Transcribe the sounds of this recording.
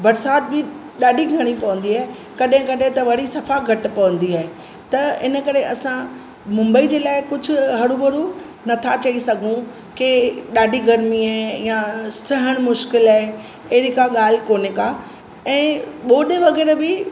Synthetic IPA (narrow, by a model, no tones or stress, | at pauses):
bɐɾsaːt̪̚bɪ | ɗaːɖʱiɡʱɐɽ̃ipɐʋə̃nd̪iaːɦe | kɐɗɦɪ̃kɐɗɦẽt̪ɐʋɐɽ̤isɐfaɡʱɐʈpɐʋə̃nd̪iaːɦe | t̪ɐɪnə̆kɐɾeʔɐsã | mʊ̃mbəid͡ʑeːlaːɪkʊd͡ʑʱʊ̆ɦɐɽubʱɐɽu | nɐt̪ʰat͡ɕɐisɐɡʱũ | keɗaːɖʱiɡɐɾmiaɦejasɐɦəɽ̃mʊʃkɪlaɦe | eːɾikaɠaːl̤koːneka | ɛ̃ːɓoːɗeʋɐɣɛːɾbɪ